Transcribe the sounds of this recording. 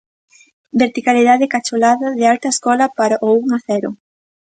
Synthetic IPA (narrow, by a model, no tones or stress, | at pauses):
beɾt̪ikaliðaðɪkat͡ʃolaðɐðɪalt̪ɐeskɔlɐpaɾaʔouŋaθɛɾʊ̰